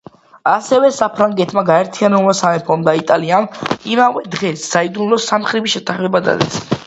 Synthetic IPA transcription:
asɛvɛsapʰɾaŋɡɛt̪ʰmaɡaɛɾt̪ʰianɛblˠmasamɛpʰɔnd̪ait̪ʼalianimavɛd̪ʁɛsːaid̪unlɔsamχɾibiʃɛt̪ʰaχmɛbad̪a̰d̪ɛs

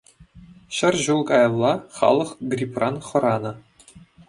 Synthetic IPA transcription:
ɕɘ̆rʲʑulˠkɑjɤ̆lˠːɑχɑ̰lˠɤ̆χɡrʲiprɑnχɤ̆ɾɑnɤ̆

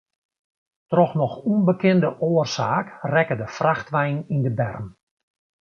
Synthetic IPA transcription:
trɔxnɔxunbəkɪndəʔoːərsaːkrɛkədəfraxtʋɛjnindəbɛ̰rm

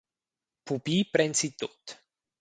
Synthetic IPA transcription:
pupipɾɛnsit̪ːot̪ː

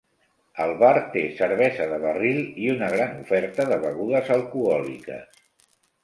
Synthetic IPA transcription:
əlˠβaɾt̪esəɾβɛzəðəβəriliunəɣɾanufɛɾt̪əðəβəɣuðəzəlˠkuɔlḭkə̰s

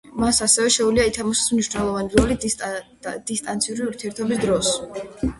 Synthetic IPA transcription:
masasɛvɛʃɛuliait̪ʰamaʃɛ̥smniʃnɛlˠɔvaniɾɔli | d̪̥ist̪ʼant̪sʰiuɾiuɾt̪ʰiɛɾt̪ʰɔbisd̪ɾɔs

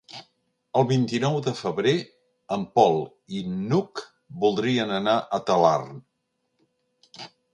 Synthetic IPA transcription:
əlˠβint̪inɔwðəfəβɾe | əmpɔlˠ | inuk | bulˠd̪ɾiənənaʔət̪əla̰rn

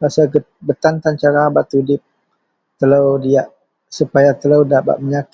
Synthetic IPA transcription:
basaɡəbət̪ant̪ant͡ʃaɾaːbat̪ːudɪp̚ | t̪ələwdiaʔ | supajat̪ələwdapa̰ʔ̪̚məɲak

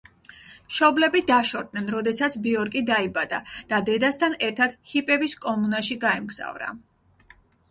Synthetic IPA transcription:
ʃɔblɛbid̪aʃɔɾd̪̚nɛnɾɔd̪ɛsat̪sʰbiɔɾkʼid̪aibad̪a̰d̪̥ad̪ɛd̪ast̪ʰanɛɾt̪ʰad̪̥hipʼɛbiskʼɔmunaʃiɡaɛmɡz̥a̰vɾa̰

